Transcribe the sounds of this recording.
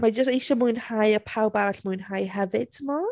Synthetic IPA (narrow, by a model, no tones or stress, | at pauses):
mad͡ʒəstiʃɔmuɨnhajəpʰawbaɬmuɨnhajɦɛvɪd̥̚tʰəmɔ